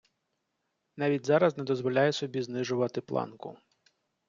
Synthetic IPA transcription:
nɑʋʲitʲzɑɾɐznɛd̪ɔzʋɔlʲajɛsɔbʲiznɪʒʊʋɐt̪ɪplˠɑ̰nkʊ̰

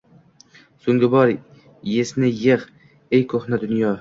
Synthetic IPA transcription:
soŋɡʲɪbɒɾ | jesnɪjɪʁ | ejkʰoχnad̪ʊnjɒ

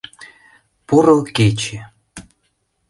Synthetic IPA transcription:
puɾɤ̆lket͡ɕe

